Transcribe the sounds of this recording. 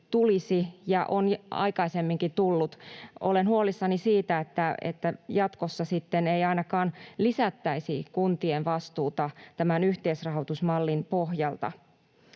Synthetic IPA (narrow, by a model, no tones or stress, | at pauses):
t̪ulisijɑʔonɑ̰ikɑisemːiŋkit̪ulːut̪ʔolenhuolisːɑnisiːt̪æet̪ːæḛt̪ːæjɑt̪kosːɑsit̪ːenejɑinɑkɑːnlisæt̪ːæisikunt̪ienʋɑst̪uːt̪ɑt̪æmænyht̪eisrɑɦot̪usmɑlːinpohjɑlt̪ɑ̰